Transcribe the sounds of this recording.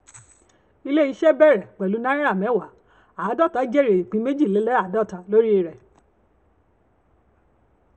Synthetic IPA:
i˧le˦i˧ʃɛ˦bɛ˦˨ɾɛ˨k͡pɛ˨lu˨˦nã˦ĩ˦ɾa˦˨mɛ̃˨˦wa˨˦ | a˨˦dɔ˦˨ta˨˦d͡ʒe˦˨ɾe˨i˨k͡pĩ˨˦me˦d͡ʒi˦˨le˨˦lɛ˦a˦˨˦dɔ˦˨ta˧lo˦ɾi˦e˧ɾɛ˨

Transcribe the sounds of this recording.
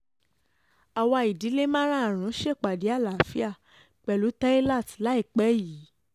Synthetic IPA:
a˨wa˧i˨di˨˦le˦mã˦ɾ̃ã˦˨ɾ̃ũ˨˦ʃe˦˨k͡pa˨di˨˦a˦˨la˨fi˦a˦˨ | k͡pɛ˧lu˨˦ta˦i˦la˦˨tla˨˦i˦˨k͡pɛ˨˦ji˨˦

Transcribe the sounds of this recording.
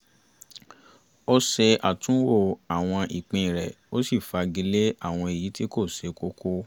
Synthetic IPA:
o˦se˧a˨tũ˨˦wo˦˨a˨w̃ɔ̃˧ʔi˨k͡pĩ˧˨ɾɛ˨ | o˦si˦˨fa˧ɡi˧le˦a˦˨w̃ɔ̃˧e˨ji˨˦ti˦ko˦˨se˨˦ko˦kʰo˦

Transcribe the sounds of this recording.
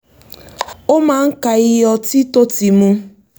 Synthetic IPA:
o˦ma˨ŋ̩˦ka˨ɪ˦jɔ˦ti˦to˦ti˨mu˦

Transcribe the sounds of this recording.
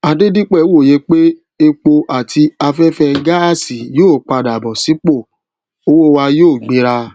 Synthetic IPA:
a˨de˦dĩ˦k͡pɛ˦˨˦wo˦˨je˧k͡pe˦ | e˧k͡po˧ʔa˨tʰi˧a˧fɛ˦fɛ˧˦ɡa˦a˦˨si˨joː˦˨k͡pa˧˨da˨bɔ̃˨si˨˦k͡po˦˨ | o˦wo˦˧wa˧joː˦˨ɡ͡bĩ˧˦ɾa˧

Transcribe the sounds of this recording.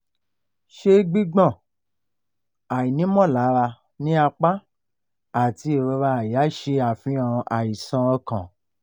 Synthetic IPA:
ʃe˧ɡ͡bi˦ɡ͡bɔ̃˦˨ | a˨i˨nĩ˨˦mɔ̃˦˨la˨˦ɾa˧ | nĩ˦a˧k͡pa˦ | a˨ti˧˦e˨ɾɔ˧ɾa˧a˨ja˨˦ʃe˧a˨fĩ˨˦ɔ̃˨˧a˨i˨sã˧ɔ˧kã˨

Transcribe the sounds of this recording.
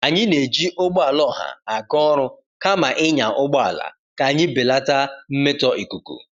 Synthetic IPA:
a˨ɲɪ˦ne˨d͡ʒi˦ʔo˦ɡ͡bɔ˦a˨lɔ˦˨ɦa̰˨a˨ɡɔ˦ɾʊ˦ | ka˦ma˨ʔɪ˦ɲa˨ʔʊ˦ɡ͡bɔ˦a̰˨la̰˨ | ka˨ɲɪ˦bɪ˨la˦ta˦m̩˦me˦tɔ˦ʔi˨ku˨kṵ˨

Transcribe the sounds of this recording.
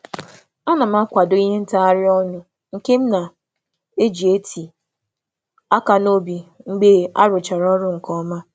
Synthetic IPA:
a˦na˨m̩˦a˦kʷa˨do˦i˦ɦe˦n̩˦ta˦a˦ɾɪ˦ɔ˦nʊ˦ | ŋ̩˨ke˦m̩˦na˨ | e˦d͡ʒi˨e˦tʰi˨ | a˦ka˨no˦bi˨ŋ͡m̩˦ɡ͡be˦a˦ɾʊ˨t͡ʃa˨ɾɔ˦ɾʊ˦ŋ̩˨kɔ˦ma˦

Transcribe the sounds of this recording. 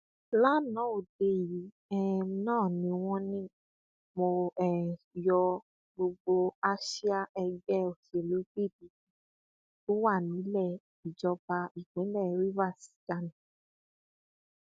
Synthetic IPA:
la˦˨nã˨˦o˨de˧˦ji˨˦ | ɛ˦nãː˦˨nĩ˧w̃ɔ̃˦nĩ˦ | mo˧ɛ˨ | jɔ˧ | ɡ͡bo˧ɡ͡bo˧a˦ʃi˦a˦ʔɛ˧ɡɛ˦o˨ti˨e˨lo˨˦k͡pi˦˨di˨˦ | o˦wa˦˨nĩ˨˦lɛ˦˨ | i˨d͡ʒɔ˧ba˧i˨k͡pĩ˨˦lɛ˦˨˦ɾi˦va˦˨si̥˨˦ɡa˦˨nĩ˨˦

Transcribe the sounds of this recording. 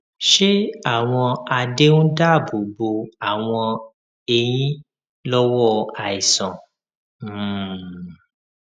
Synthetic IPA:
ʃe˦a˦˨w̃ɔ̃˧a˧de˦nũ˦da˦˨bo˨bo˧a˨w̃ɔ̃˧ | e˨j̃ĩ˦ | lɔ˦wɔ˦a˨i˨sɔ̃˨˦˨

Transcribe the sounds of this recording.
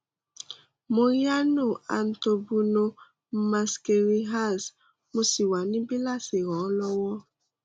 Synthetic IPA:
mo˦ɾja˦nu˦˨a̰˨n̩˦to˨bu˦no˦ | m̩˦ma˨ske˨ɾi˦ɦa˦˨s | mu˦si˨wa˨ni˦bi˦la˦se˨ɣɔ˨˦lɔ˦wɔ˦

